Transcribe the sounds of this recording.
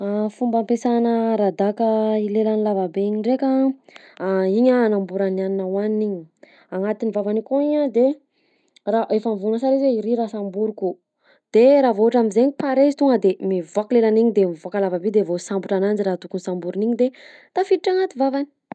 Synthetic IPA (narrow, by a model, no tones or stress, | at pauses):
afumbampesanəɾad̪akəilelanilavabeiɲiɳɖ͡ʐeka | iɲaːnambuɾananinawaniniɲi | aŋat̪inivavanikoiɲad̪e | raʔefaɱvunəsaɾizweiɾiɾasambuɾuku | d̪̥eɾaːvoaʈ͡ʂamizeɲipaɾezi̥t̪uŋəd̪emivoaklelaniɲid̪emivuakəlavabed̪evosambuʈ͡ʂanand͡ʒiɾat̪ukunisambuɾiniɲid̪et̪afit̪iʈ͡ʂaŋat̪ivavani̥